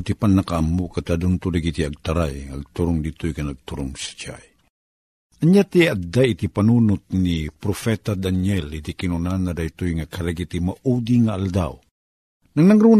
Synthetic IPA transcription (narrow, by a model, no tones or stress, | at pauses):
t̪ipanːɐkaʔamukat̪ad̪unt̪ʊdaɡit̪iɐɡ̚t̪aɾajŋɐɡ̚t̪uɾʊŋd̪it̪ʊjkɐnɐɡ̚t̪uɾʊŋsḁt͡ʃa̰j | ɐɲat̪iad̪aʔit̪ipanunʊt̪̚nipɾofɛt̪ad̪anɛlit̪ikinunanad̪ajt̪ʊjŋakɐɾaɡit̪imaʔud̪iŋaːld̪a̰w | nɐŋnɐŋɾun